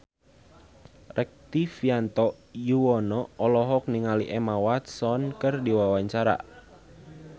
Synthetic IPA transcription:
rʔɛk̚t̪ifiant̪ɔ | juwɔnɔːlɔɦɔk̚niŋaliʔɛmawat̪sɔnkɨrdiwawaɲt͡ʃaɾa̰

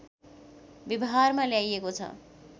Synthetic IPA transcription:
bibɦarmaljajekot͡sʰʌ̰

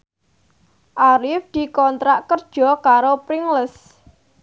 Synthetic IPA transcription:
ʔaɾɪfd̪̥i̤kɔnt̪ɾaʔkərd̥ʒ̥ɔ̤kaɾopɾɪŋləs

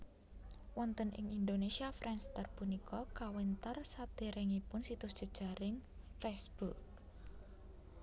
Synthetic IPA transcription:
wɔnt̪ənʔɪ̰ŋind̪onesiafɾʔɛnst̪ərpunikʰɔkawɛnt̪ərsat̪eɾɪŋipʊnsit̪ʊsd̥ʒ̥ə̤d̥ʒ̥a̤ɾɪŋfɛsb̥uk̚

